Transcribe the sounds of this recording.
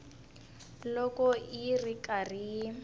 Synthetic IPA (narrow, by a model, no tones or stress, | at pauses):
lɔkɔirikari